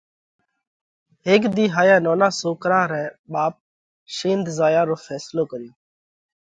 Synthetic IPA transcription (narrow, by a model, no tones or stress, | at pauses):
ɦeːkd̪iːɦaːjãːnoːnãːsoːkɾãːɾɛ̃ːɓaːp̚ | ʃĩːnd̪zaːjãːɾoːfʰɛːsloːkəɾjõː